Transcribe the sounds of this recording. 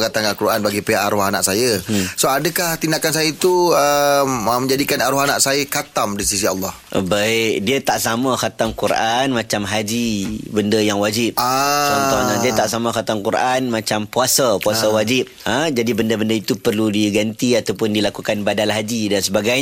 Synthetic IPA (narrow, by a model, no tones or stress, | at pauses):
ɡat̪aŋalkuɾʔanbaɡipeaʔaɾuɦanaʔsajəsoadəkaht̪indakans̬ajait̪uəmmə̃ɲd͡ʒadikanaɾuɦanaʔsajəkat̪amdisis̬ia̰lːɔhʔbaɪk̚diət̪aʔsamãxat̪amkuɾʔanmãt͡ʃamɦad͡ʒibəndəjaŋwad͡ʒɪp̚at͡ʃɔnɔadiət̪aʔsamãxat̪aŋkuɾanmãt͡ʃampuasapuasawad͡ʒɪp̚əd͡ʒadibəndəbəndəit̪upərludiɡant̪iat̪awpʊndilakukanbadalɦad͡ʒidansəbaɡaj